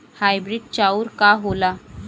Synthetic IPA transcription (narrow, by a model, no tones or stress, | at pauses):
hajbɾiɖ̚t͡ɕauːɾkaɦola